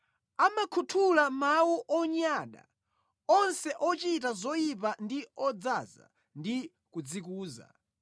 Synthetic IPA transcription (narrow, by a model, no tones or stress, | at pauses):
amakʰutʰulamawuʔɔɲaɗa̰ | ɔnsɛʔɔt͡ʃitazɔjip̬andiɔd͡zaza̰ | ndi | kud͡zikuːza̰